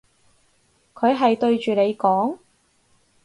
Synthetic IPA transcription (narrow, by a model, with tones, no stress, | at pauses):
kʰɵ˨˧ɥɦɐ˨jt̪ɵ˧ɥt͡ʃyː˨ne˨˧jkɔː˨˥ŋ